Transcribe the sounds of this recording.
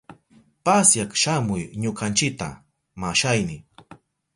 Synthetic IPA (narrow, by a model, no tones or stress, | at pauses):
pasjakʃamʊjɲokant͡ʃɪk̚t̪a̰ | maʃajnɪ